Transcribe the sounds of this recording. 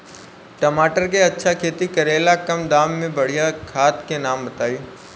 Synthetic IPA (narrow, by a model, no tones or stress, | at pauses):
ʈɐmaːʈəɾkeɐtːʃʰakʰeːt̪ikɐɾeːlakɐmd̪aːmːẽbɐɽ̤ijakʰaːt̪kenaːmbɐt̪aːiː